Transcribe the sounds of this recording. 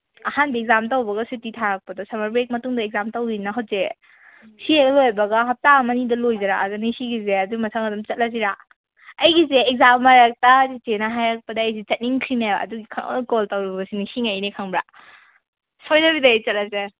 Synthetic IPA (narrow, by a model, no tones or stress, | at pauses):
ahanbieɡzamtawbɐɡɐsutitʰaɾak̚pɐdɔsamaɾbek̚mɐtuŋdɐek̚zamtawɡinɐɦat̚ze | sieɡɐlojbɐɡaɦɐp̚tamɐnidɐlojzɐɾaʔɐdunisiɡizeɐduɡmɐtʰaŋɐdumt͡ʃɐt̚lɐziɾa | ɐjɡizeːkɡ̚zamːaɾak̚tazit͡ʃenaɦajak̚pɐdɐːjsit͡ʃɐt̚niŋkʰɾinaa̰ɐ̰duɡikʰa̰koltawɾibɐsinisiŋajnikʰaŋbɾa̰ | sojdɐbidɐːjt͡ʃɐt̚lɐze